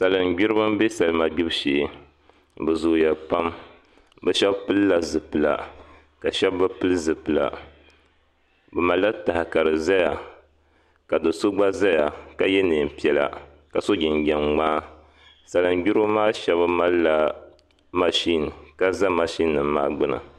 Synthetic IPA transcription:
sa˨lɨ˨n˨ɡ͡bi˦ɾɨ˦bɨ˦m˦be˦sa˨lɨ˦ma˨ɡ͡bi˦bʃeː˨ | bɛ˨zʊ˨jɛ˨lpa˦m | bɛ˦ʃɛ˦bpɨ˦lɨ˦la˨zɨ˨pɨ˨la̰˨ | ka˨ʃɛ˦bbɨ˦pɨ˦lɨ˦zɨ˨pɨ˨la̰˨ | bɛ˨ma˨lːa˦ta˨hka˨ɾɨ˨za˦ja˨ | ka˨dɨ˨so˦ɡ͡ba˦za˦ja˨ka˨jɛ˦neː˨m˨pi˨ɛ˨la̰˨ | ka˨so˦ɡi˨ŋɡɛ˨nŋ͡maː˦ | sa˨la˨n˦ɡi˦ɾo˦maː˦ʃɛ˦bɨ˦ma˦lːa˦ | ma˨ʃi˦n˨ka˦za˦ma˨ʃi˦nːɨ˨mː˦a̰ː˦ɡ͡bɨ˦na̰˨

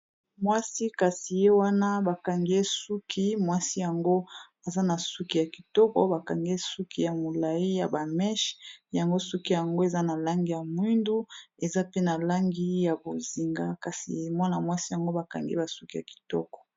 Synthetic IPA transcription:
mwa˦si˦ka˨si˨je˦wa˦na˦ba˨ka˨ŋɡe˦su˦kʰi˦mwa˦si˦ja˨ŋɡo˦ | a˨za˦na˨su˦ki˨ja˨ki˨tɔ˦kɔ̰˦ba˨ka˨ŋɡe˦su˦kʰi˦ja˨mo˨la˨i˦ja˨ba˨mɛ˦ʃja˨ŋɡo˦su˦ki˦ja˨ŋɡo˦e˨za˦na˨la˦ŋɡi˦ja˨mwi˦ndu˦e˨za˦pe˦na˨la˦ŋɡi˦ja˨bo˨zi˨ŋɡa˦ka˨sḭ˨mwa˦na˨mwa˦si˦ja˨ŋɡo˦ba˨ka̰˨ŋɡḛ˦ba˨su˦ki˦ja̰˨ki̥˨tɔ̰˦kɔ̥˨

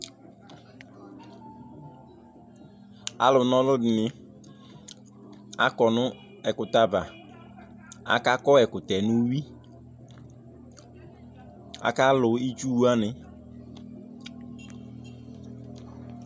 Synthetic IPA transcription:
a̰˨lʊ˨nɔ̃˦lʊ˦dɪ˨nɪ˨ | a̰˨kɔ˨nʊ˦ | ɛ˨kʊ˨t̪a˦va˨ | a̰˨ka˦kɔ˦ɛ˨kʊ˨t̪ɛ˨nʊ̃˦wi˦ | a̰˨ka˦lʊ˨i˦t͡ʃu˦wu˦a˦nɪ˨

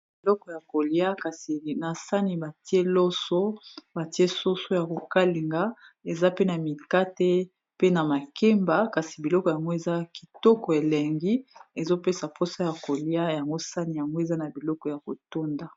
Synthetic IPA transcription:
bi˨lɔ˦kɔ˨ja˨ko˨li˦a˦ka˨si˨na˨sa˦ni˨ba˨ti˦e˦lo˦so˦ba˨ti˦e˦so˦so˦ja˨ko˨ka˦li˨ŋɡa˦ | e˨za˦pe˦na˨mi˨ka˦te˦ | pe˦na˨ma˨ke˦mba˨ka˨si˨bi˨lɔ˦kɔ˨ja˨ŋɡo˦e˨za˦ki̥˨tɔ˦kɔ˨e˨le˨ŋɡi˦e˨zo˦pe˦sa˨po˦sa˦ja˨ko˨li˦a˦ja˨ŋɡo˦sa˦ni˨ja˨ŋɡo˦e˨za˦na˨bi˨lɔ˦kɔ˨ja˨ko˨to˦nda˨

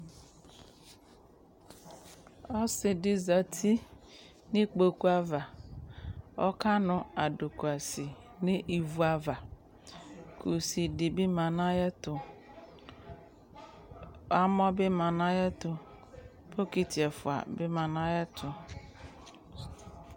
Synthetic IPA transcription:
ɔ˦sɪ˨dɪ˦za˨tʰi˦ | nɪ̃˦k͡po˨ku˦a˦va˨ | ɔ˦ka˦nʊ̃˨a˨dʊ˨ku˨a˨si˨ | nɪ̃˦ʔi˨vu˦a˦va˨ | kʰu˨si˨dɪ˨bɪ˦mã˨nã˦jɛ˦tʊ˨ | a˦mɔ˦bɪ˦ma˨nã˦jɛ˦tʊ˨ | pʰo˦ki˨tʰi˨ɛ˨fʊ̰˨a̰˨bɪ˦mã˨nã˦jɛ˦tʰʊ˨

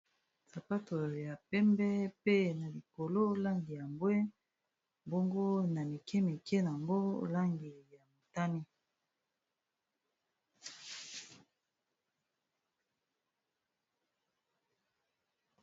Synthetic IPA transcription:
sa˨pa˦to˨ja˨pɛ˦mbɛ˦pe˦na˨li˨ko˨lo˦la˦ŋɡi˨ja˨mbwɛ˦ | bo˦ŋɡo˦na˨mi˨kɛ˦mi˨kɛ˦na˨ŋɡo˦la˦ŋɡi˨ja˨mo˨ta˦ni˦

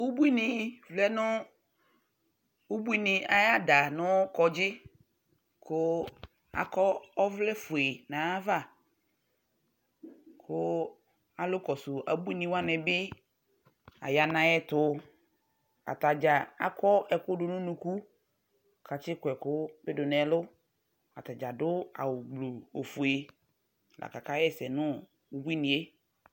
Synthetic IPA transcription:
u˦bu˦i˦nɪ̃˨flɛ˦nʊ˦ | u˦bu˦i˦nɪ̃˨a˨ja˦da˨nʊ̃˦kɔ˨d͡ʒɪ˦ | kʰʊ˦ | a̰˨kɔ˦ɔ˦vlɛ˦fʊ˨e˨nã˨a˦va˦˨ | kʰʊ˦ | a˨lʊ˦kɔ˨sʊ˨ʔa˨bu˦i˦nĩ˨wa˦nɛ˨bɪ˦ | a̰˨ja˨nã˨jɛ˦t̪ʊ˦ | a̰˨t̪a˨d͡ʒa˨a̰˦kɔ˦ɛ˨kʊ˦dʊ˨nʊ̃˦nũ˨ku˦ | kʰa˨t͡ʃɪ˦kʊ˨ɛ˨kʊ˦be˦dʊ˨nɛ̃˨˦lʊ˦ | a̰˨t̪a˨d͡ʒa˨dʊ˦a̰˨wʊ˨ɡ͡blo˨o˨fʊ˨e˨ | lʔa̰˨ka˨ka˦ɛ˦sɛ˨nʊ̃˦ | u˨bu˦i˦nĩ˨e˦

